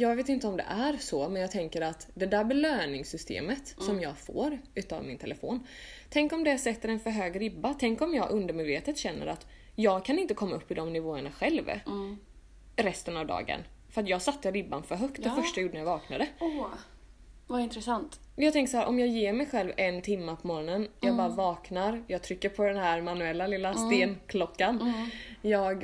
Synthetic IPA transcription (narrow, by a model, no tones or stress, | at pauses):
jɑːɡveːt̪ɪnt̪əɔmd̪ɛ̰ʔæɾsɔmɛnjɑːɡ̚t̪ʰɛŋkəɾat̪d̪ɛd̪æɾbɛløːnɪŋsʏst̪ʰḛːmət̪sɔmjɑːɡfo̰ːɾʉ̟ːt̪a̰vmɪnt̪ʰɛləfo̰ːn | t̪ʰɛŋkɔmd̪ɛsɛt̪ːəɾɛnfœɾɦøːɡɾɪbːat̪ʰɛŋkɔmjɑːɡʔɵnd̪əɾmɛːd̪veːt̪ət̪ɕɛnːə̰ɾa̰t̪ | jɑːɡkʰanɪnt̪əkʰɔmːaɵpːɪd̪ɔmnɪvoːəɳaɧɛlv | ɾɛst̪ənavd̪ɑ̰ːɡə̰nfœɾat̪̬jɑːɡsat̪ːəɾɪbːa̰nfœɾɦœk̚t̪d̪ɛffœʂʈajajuːɖənajavɑːknad̪ə | vaɪnt̪ɾɛsant̪jɑːɡt̪ʰɛŋkəsaɦæːɾʔɔmjɑːɡjeːɾmɛjɧɛlvɛnt̪ʰɪmːapʰɔmɔɾɔnənjɑːɡbɑːɾavɑːknaɾjɑːɡt̪ʰɾʏkːəɾpʰɔd̪ɛnhæɾmanːʉɛlːalɪlːast̪eːnkʰlɔkːanjɑːɡ